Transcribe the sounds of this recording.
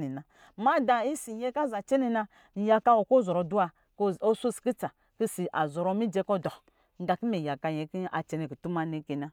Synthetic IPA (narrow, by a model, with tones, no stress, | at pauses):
ni˨na˨ | ma˦da˨i˦si˨je˦ka˦za˨t͡ʃe˦ne˨na˧˦˨ | ja˨ka˦o˨ko˦˨zɔ˨ɾo˨du˦a˧ | ko˦su˦˨ski˦t͡sa˨ | ki˦si˨ʔa˨zɔ˨ɾo˦mi˦d͡ʒe˧˦kɔ˦dɔ˨ | ŋ˦ɡa˨ki˦me˨ja˨ka˧je˨ki˦a̰˨t͡ʃe˨ne˨ki˨tu˦ma˦ne˦ke˨na˦